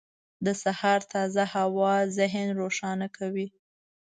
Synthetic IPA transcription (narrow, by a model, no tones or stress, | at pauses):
d̪əsahɑɾt̪ʰɑzahawɑzɪɦnɾoʃɑnakʰawi